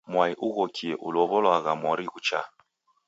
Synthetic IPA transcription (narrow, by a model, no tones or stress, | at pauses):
mwaiʔuɣɔkʰiɛʔulɔβɔlwaɣamwɔɾiɣut͡ʃa̰